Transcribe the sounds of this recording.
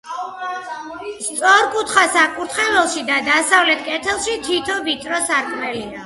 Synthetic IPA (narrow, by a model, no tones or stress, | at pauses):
st̪sʼɔɾkʼut̪ʰχasakʼuɾt̪ʰχɛvɛlˠʃid̪ad̪asavlɛt̪ʰkʼɛt̪ʰɛlˠʃit̪ʰit̪ʰɔvit̪ʼɾɔsaɾkʼmɛlia